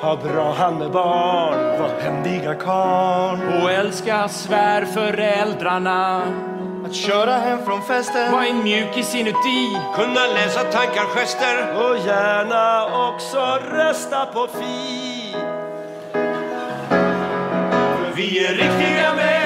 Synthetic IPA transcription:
hɑːbɾɑːɦanmɛbɑːnvɔɛnd̪ɪɡakʰɑːɳɔɛlskasvæːɾfœɾɛld̪ɾaɳa | at̪ɕœːɾaɦɛmːfɾɔnfɛst̪əvaːɛnmjʉ̟ːkɪsɪnʉt̪ʰːikʰɵnːalɛːsat̪ʰaŋkaɾɧɛst̪əɾɔjæːɳaɔksɔɾɛst̪apʰɔfi | vɪæɾɪk̚t̪ɪɡamɛ

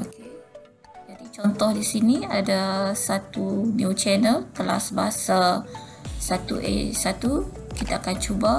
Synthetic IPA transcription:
oke | d͡ʒadit͡ʃɔnt̪ɔhdisiniadasat̪unuwt͡ʃɛnəlkəla̰sbaasa | sat̪ṵʔḛsat̪u | kit̪aakant͡ʃuba

